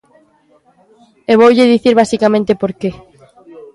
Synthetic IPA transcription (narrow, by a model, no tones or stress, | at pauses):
eβ̞owʎɪðiθiɾβasikamẽnt̪epoɾke